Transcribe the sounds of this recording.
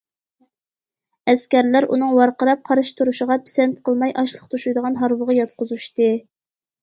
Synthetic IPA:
ɛskʲæɾlæɾṵnɨŋwɑɾqəɾɑp̚qʰɑɾɨʃt̪uɾuʃəʁɑpʰi̥sɛnt̪̚qʰəlˠmɑjʔɑʃlˠəqt̪ʰuʃujd̪əʁɑnɦɑɾwəʁɑjɑt̪̚qʊzuʃt̪ɨ

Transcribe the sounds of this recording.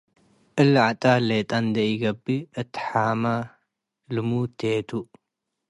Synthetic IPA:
ʔɨlʕat̪ʼalet̪ʼand̪ɐjɡɐbːiʔɨt̪ːħama | lɨmut̪ʰet̪ʰu

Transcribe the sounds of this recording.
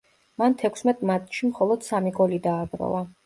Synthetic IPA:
mant̪ʰɛkʰsmɛt̪ʼmat̪ʰʼʃimχɔlˠɔd̪̥samiɡɔlid̪aːbɾɔ̰va

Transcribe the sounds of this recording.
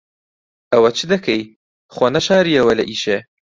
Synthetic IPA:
ɐwɐt͡ʃʰɨd̪ɐkʰej | χwonɐʃaːɾijɐwɐlɐʔiːʃe

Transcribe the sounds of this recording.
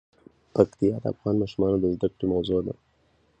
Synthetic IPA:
pakt̪ijɑd̪əa̰fɣɑnmɑʃumɑnod̪əzd̪akɽemawzod̪a̰

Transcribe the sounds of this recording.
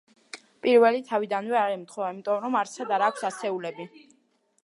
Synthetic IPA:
pʼiɾvɛlit̪ʰavid̪anvɛaɾɛmt̪χɔaimit̪ʼɔmɾɔmaɾt̪sad̪aɾaːkʷʰsasɛulɛbi

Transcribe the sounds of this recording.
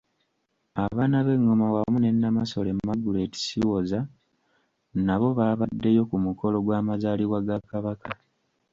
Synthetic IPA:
aβaːnaβe̞ŋːo̞mawamune̞nːamaso̞le̞mmːaɡule̞ːti̥siwo̞za | naβo̞βaːβadːe̞jo̞kumuko̞lo̞ɡwaːmazaːliɣwaɡakaβaka

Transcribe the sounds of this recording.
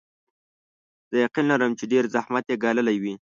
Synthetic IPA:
z̥əjaqinlaɾəmt͡ʃeɖeɾzahmat̪jeɡɑləlajwi

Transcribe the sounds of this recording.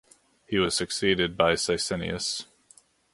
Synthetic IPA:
hiwʌz̥sɨksiɾɨd̚baɪsaɪsɛnḭɨ̰s

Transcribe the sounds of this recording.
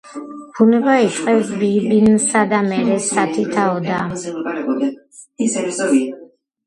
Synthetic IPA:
b̥ʰunɛbait͡ʃʼqʼɛvsbibinsad̪amɛɾɛsat̪ʰit̪ʰaɔd̪aɾakʼɔ | sɛs

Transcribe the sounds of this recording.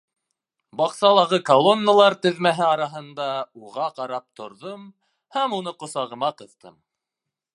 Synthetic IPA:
bɑqsɑlˠɑʁɤkɐlˠo̞nːalˠɑɾt̪ɘ̆ðmæɦɘɑɾɑɦɤ̆nd̪ɑuʁɑqɑɾɑp̚t̪ŏɾðɤm | hæmunɤqŏsɑʁɤ̆mɑqɤ̆ðt̪ɤ̰m

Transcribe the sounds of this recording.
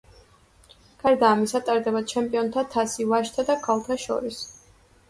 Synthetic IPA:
ɡ̥aɾd̪aːmisat̪ʼaɾd̪ɛbad̪t͡ʃʰɛmpʼiɔnt̪ʰat̪ʰasivaʃt̪ʰad̪akʰalˠt̪ʰaʃɔ̰ɾis

